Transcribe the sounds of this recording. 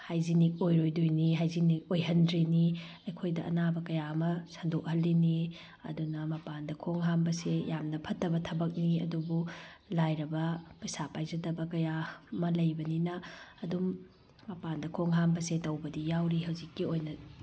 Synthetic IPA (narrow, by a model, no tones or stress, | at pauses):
hajzinik̚ojɾojdojniɦajzinik̚ojɦɐndɾeniɐjkʰojdɐʔɐ̰nabɐkɐjaɐmɐsɐndok̚hɐlːini | ɐ̰dunɐmɐpandɐkʰoŋɦambɐsejamnɐpʰɐtːɐbɐtʰɐbɐk̚niɐ̰dubulajɾɐbɐpɐjsapajzɐdɐbɐkɐjamɐlɐjbɐninɐːdumː | ɐpandɐkʰoŋɦambɐsetɐwbɐdijawɾiɦɐwzikːiojnɐ